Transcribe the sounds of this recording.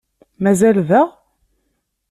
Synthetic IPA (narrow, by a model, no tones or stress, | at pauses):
mæzælvæʁ